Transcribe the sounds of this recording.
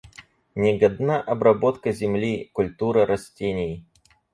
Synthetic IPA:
nʲɪɡɐd̪naʔɐbɾɐbo̞t̪kəzʲɪmlʲikʊlʲt̪uɾəɾɐsʲtʲenʲɪj

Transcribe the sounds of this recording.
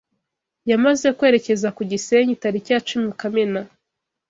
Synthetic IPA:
jamaze̞kwe̞ːɾece̞zakuɟiseɲitaɾicaːt͡ʃumikamena

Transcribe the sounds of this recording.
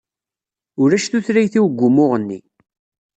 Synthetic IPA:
ʊɾæʃθuθɾæjθiwɡʷːʊmʊʁənːḭ

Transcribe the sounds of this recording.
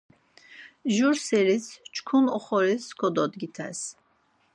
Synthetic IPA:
ʒuɾseɾit͡st͡ʃʰkʰunɔχɔɾiskʰɔd̪ɔd̪ɡit̪ʰæ̰s

